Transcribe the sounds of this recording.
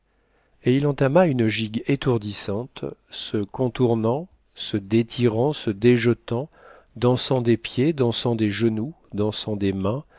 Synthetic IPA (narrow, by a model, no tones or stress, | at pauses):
eilɑ̃t̪amaynʒiɡet̪uʁd̪isɑ̃t̪səkɔ̃t̪uʁnɑ̃ | səd̪et̪ʰiʁɑ̃səd̪eʒət̪ɑ̃ | d̪ɑ̃sɑ̃d̪epjed̪ɑ̃sɑ̃d̪eʒənu | d̪ɑ̃sɑ̃d̪emɛ̃